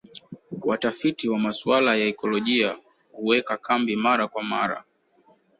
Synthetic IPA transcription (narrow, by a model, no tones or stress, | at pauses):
watafitiwamaswalajaɛkɔlɔʄia | huwɛkakʰambimaɾakwama̰ɾa̰